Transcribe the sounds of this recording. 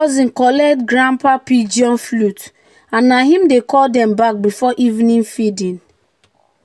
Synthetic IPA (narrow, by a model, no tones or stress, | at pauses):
ɔzĩnkɔlɛdɡɹãmpapid͡ʒiɔ̃nflut | ãnːaɦĩmdekɔldɛ̃mbak̚bifɔʔivnĩnfidĩn